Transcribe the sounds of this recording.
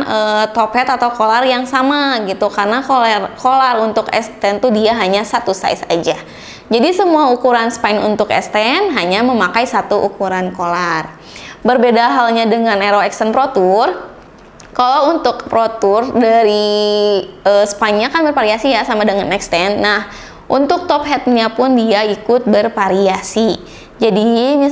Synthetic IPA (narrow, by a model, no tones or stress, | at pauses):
nət̪opɛt̪at̪awkolarjaŋsamaɡit̪ukarnakolarkolarunt̪ʊkɛ̰st̪ɛnt̪udiaɦaɲasat̪usa̰jsa̰d͡ʒa | d͡ʒadisəmuaukuɾansə̥paɪnṵnt̪ʊkɛ̰st̪ɛnɦaɲaməmakajsat̪uʔukuɾankolar | bərbedaɦalɲadəŋaneɾoɛksənpɾot̪ʊr | kalaunt̪ʊkpɾot̪ʊrdaɾi | əspaɲakanbərfaɾiasijasamadəŋanɛkst̪ɛnːah | ʔunt̪ʊk̚t̪ɔp̚ɦɛt̪̚ɲapʊndiaikʊt̪̚bərfaɾiasi | d͡ʒadimi